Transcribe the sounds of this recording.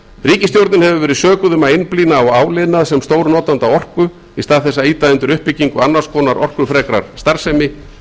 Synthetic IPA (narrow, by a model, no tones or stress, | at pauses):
riːcɪst̪jowɾt̪nɪnhɛvʏvɛːɾɪðsœːkʏðʏmaejnpliːnaːwaːwlɪðnaðsɛmst̪oːwɾnɔːt̪ant̪awɔr̥kʏ | ist̪aːðθɛsːaiːt̪aʏnt̪ʏɾʏhpːɪcːiŋkʏanːaskʰɔːnaɾʔɔr̥kʏ̥fɾɛːkɾaɾ̥st̪aɾ̥sɛmɪ